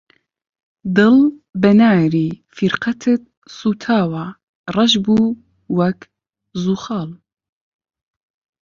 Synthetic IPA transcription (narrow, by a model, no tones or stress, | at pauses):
d̪ɨlbɛnaːɾiːfiɾqʰɐt̪ʰɨt̪̚ | suːt̪ʰaːwa | rˤɑʒbuː | wɐk | zuːxɑːl